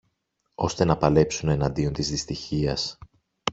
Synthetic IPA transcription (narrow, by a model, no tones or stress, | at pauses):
o̞st̪e̞nɐpɐle̞psune̞nɐnd̪io̞nt̪izðist̪içiɐs